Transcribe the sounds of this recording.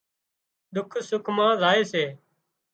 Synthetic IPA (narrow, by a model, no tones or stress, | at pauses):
ɗ̪ʊkʰsʊkʰmãːzaːeːseː